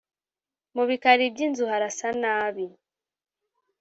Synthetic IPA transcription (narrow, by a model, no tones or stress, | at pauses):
muβikaɾibɟinzuhaɾasanaːβi